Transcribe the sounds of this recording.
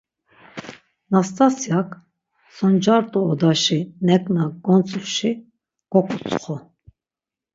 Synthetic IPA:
nast̪ʼasjakʰʼ | sɔnd͡ʒaɾt̪ʼuːd̪aʃinɛkʼnaɡɔnt͡sʼuɾʃi | ɡ̥ɔkʼut͡sʼχɔ

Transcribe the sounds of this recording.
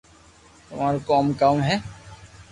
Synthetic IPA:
t̪ʊmaːɾkɔːmkaːmɦɛ

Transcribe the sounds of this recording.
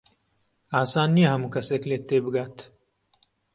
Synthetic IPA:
aːsaːnːiɦɐmukɐseːkleːt̪ːeːbɡaːt̪ʰ

